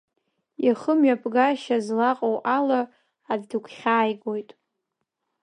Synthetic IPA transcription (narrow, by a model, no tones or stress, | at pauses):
jaχəmɥapʰʼɡaʃazlaqʼowʔalaː | ddɨkʷʰχʲaːjɡojtʼ